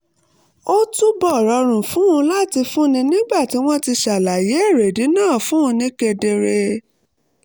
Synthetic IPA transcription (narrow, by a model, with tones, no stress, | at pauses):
o˦tu˦bɔ˦˨ɾɔ˧ɾ̃ũ˨fũ˨˦ũ˧la˦˨ti˧fũ˦nĩ˧nĩ˦ɡ͡ba˦˨ti˨˦w̃ɔ̃˦ti˧ʃa˨la˨je˨˦e˦˨ɾe˨di˨˦nãː˦˨fũ˨˦ũ˧nĩ˦ke˧de˧ɾe˧